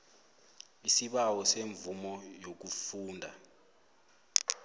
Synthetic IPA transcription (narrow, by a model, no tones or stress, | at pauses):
isiɓawɔseɱvumɔjok̬ufuːndʱa